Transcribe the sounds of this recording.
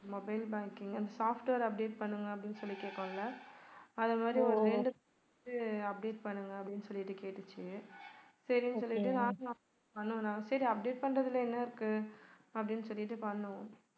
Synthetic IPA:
mɔbɐɪlbaːŋkɪŋɡɐnd̪ɐsaːfʈʋɐɾɐp̚ɖeːʈ̚pɐɳːɯŋɡɐɐp̬ːɐɽɪnːɯsɔlːikeːʈːɐ̃ːŋlɐ | ɐðɐmaːd̪ɾiɔɾɯɾɛɳɖɯp | tɯɐp̚ɖeːʈ̚pɐɳːɯŋɡɐːpːɐɽɪnːɯsɔlːɪʈːɯkeːʈːɯt͡ʃːɯ | sɐɾinːsɔlːɪʈːɯnãːũɐp | pɐɳːʊ̃nãːŋɐsɐɾiɐp̚ɖeːʈ̚pɐɳɾɐðɪlɐɛnːɐɪɾɯkːɯ | ɐpːɐɽɪnːɯsɔlːɪʈːɯpɐɳːʊ̃

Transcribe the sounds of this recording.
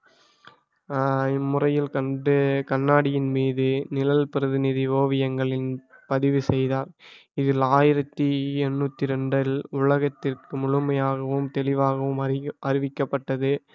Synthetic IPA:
ɪmːʊrɐjɪlkɐɳɖɯkɐɳːaːɽɪjɪnmiːðɯnɪlɐlpɪɾɯðɪnɪðiʋoːʋɪjɐŋɡɐɭɪnpɐðɪʋɯsɛjðaːɾɪðɪlaːjɪɾɐt̪ːɯɛnːuːt̪ːiɾɛɳɖɐlʊɭɐɣɐt̪ːɪrkɯmʊɻʊmɐjaːɣɐʋɯmt̪ɛlɪʋaːɣɐʋɯmɐɾɪʋɪkːɐpːɐʈːɐðɯ

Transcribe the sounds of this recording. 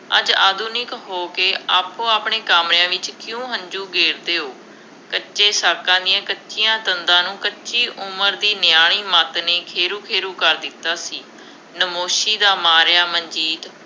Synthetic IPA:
ə̰d͡ʒaːd̪ʱuːnɪkɦoːkeːaːpːõːaːpɳeːkaːmɾɪãːʋɪt͡ʃkjũːɦə̃ɲd͡ʒuːɡeːɾd̪eːɦoː | kətːʃeːsaːkãːd̪ɪjãːkətːʃijãːt̪ənd̪ãːnũːkətːʃiːʔʊməɾd̪iːnɪjaːɳ̃iːmaːt̪neːkʰeːɾuːkʰeːɾuːkəɾd̪ɪt̪ːaːsiː | nəmoːʃiːd̪aːmaːɾjaːməɲd͡ʒiːt̪

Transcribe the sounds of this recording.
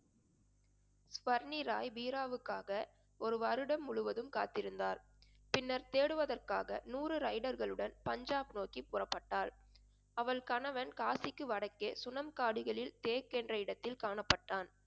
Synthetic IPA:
sʋɐɾniɾaːjbiːɾaːʋɯkːaːɣɐ | ɔɾɯʋɐɾɯɽɐmːʊɭɯʋɐðɯmkaːt̪ːɪɾɯnd̪aːɾ | pɪnːɐɾt̪eːɽɯʋɐðɐrkaːɣɐ̰nuːrɯɾɐɪɽɐɾɣɐɭɯɽɐnpɐɲd͡ʒaːbnoːkipːʊrɐpːɐʈːaːɭ | ɐʋɐɭkɐnɐʋɐnkaːsɪkːɯʋɐɽɐkːeːsʊnɐmkaːɽɯɣɐɭɪlt̪eːkːɛndrɐɪɽɐt̪ːɪlkaːɳɐpːɐʈːaːn

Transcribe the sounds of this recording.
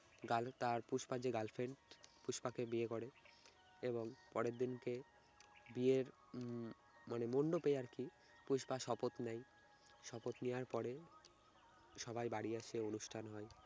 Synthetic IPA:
ɡalt̪aɾpuʃbad͡ʑeɡalfʰeɳʈpuʃpakebiekoɽe | eboŋpɔɾeɾd̪inke | bieɾ | manemoɳɖopejaɾki | puʃbaʃɔpot̪nɛj | ʃɔpot̪nijaɾpɔɾe | ʃɔbʱajbaɽiaʃeonuʃʈʰanɦɔe

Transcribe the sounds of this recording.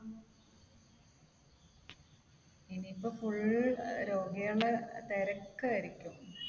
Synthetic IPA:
inipːofuɭɾo̞ːɡijɐɭt̪eɾɐkːɨɐɾikʲːum

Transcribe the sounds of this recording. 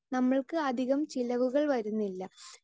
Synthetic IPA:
nɐmːɐɭkɨɐd̪ʱiɣɐmt͡ɕilɐʋuɣɐɭʋɐɾunːilːɐ

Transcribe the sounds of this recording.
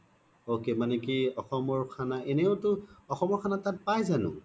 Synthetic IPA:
okemanɛkiɔxɔmɔɹkʰanaɛnɛʊtʊɔxɔmɔɹkʰanatat̚pajzanʊ̰̃

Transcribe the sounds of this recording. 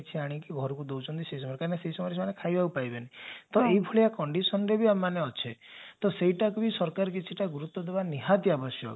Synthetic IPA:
t͡ʃʰiaɽ̃ikiɡʱɔɾɔkud̪owt͡ʃʰɔnt̪iseisɔmɔɾkaɾneseisɔmɔɾsʰmanekʰajbaupajbenit̪ɔeibʰʱuɭiakɔɳɖisɔnɔɾebiamaneɔt͡ʃʰet̪ɔseɦiʈakubisɔɾkaɾɔk̬it͡ʃʰiʈaɡuɾut̪ːɔd̪ebaniɦat̪jabɔsjɔ̰k

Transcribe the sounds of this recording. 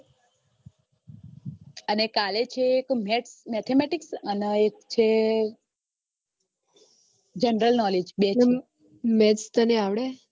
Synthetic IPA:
ənekalet͡ʃʰeːkmeʈsmɛt̪ʰemɛʈiksəneekt͡ʃʰe | d͡ʒenɾəlnɔled͡ʒbe | mɛʈst̪əneaʋɽe

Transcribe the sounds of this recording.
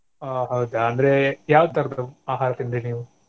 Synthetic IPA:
aɦɐwd̪aɐnd̪ɐɾejaːʋud̪t̪ɐɾd̪uaːɦaːɾɐt̪ind̪eniːʋu

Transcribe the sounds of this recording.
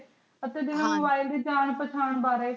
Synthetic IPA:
ət̪eːd̪ɪnãːmobaːɪld̪eːd͡ʒaːɳ̃pət͡ʃʰaːɳbaːɾeː

